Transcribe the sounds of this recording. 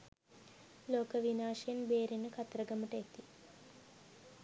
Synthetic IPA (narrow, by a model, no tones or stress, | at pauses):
loːkəʋinaːʃejenbeːɾinəkʰɐt̪ɾɐɡɐməʈəet̪i